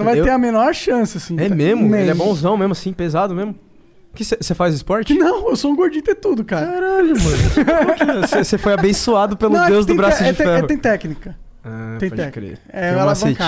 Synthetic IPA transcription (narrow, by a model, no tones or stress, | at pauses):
nɐ̃vajt̪eɾɐmenɔɾʃɐ̃sɪasĩɛmezmʊmẽelɪɛbõuzɐ̃w̃mezmʊasĩpezad̪ʊmezmʊ | kɪsesefazɪspɔɾt͡ʃɪnɐ̃w̃ewsoũɡoɾd͡ʒĩt̪et̪ud̪ʊkaɾɐaɾaʎʊmɐ̃kesesefojabẽsuad̪ʊpelʊ̃d̪ewzd̪ʊ̃bɾaʊd͡ʒɪfefɛhʊẽj̃t̪ɛknikɐ | at̪ẽpot̪ɛkɾḛɛɛl̃ɐvsɐẽjka